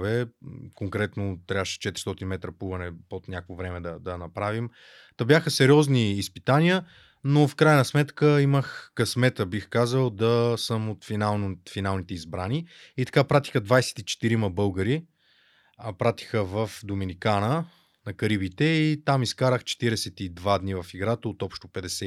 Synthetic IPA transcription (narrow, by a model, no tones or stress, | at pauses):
vɛkoŋkɾɛt̪not̪ːɾʲjavəʃɛ̥t͡ʃɛt̪ɾi̥st̪ɔt̪inmɛt̪ɾəpuvɐnɛpot̪nʲakəkvovɾɛmɛd̪ɐd̪ɐnɐpɾavim | t̪əbjaxəsɛɾiɔzniːspit̪anijə | nofkɾajnɐsmɛt̪kəiməxkɐsmɛt̪əbixkazəlˠd̪ɐsəmot̪finalˠnt̪finalˠnit̪ɛizbɾaniit̪ɐ̥kapɾat̪i̥xəd̪vajsɛ̥t̪it͡ʃɛ̥t̪iɾiməbɤlˠɡəɾi | pɾat̪i̥xəvəfd̪ominikanə | nɐkɐɾibit̪ɛit̪amiskaɾəxt͡ʃɛ̥t̪iɾɛsɛt̪id̪vad̪nivɐfiɡɾat̪əot̪ɔpʃt̪opɛd̪ɛsɛ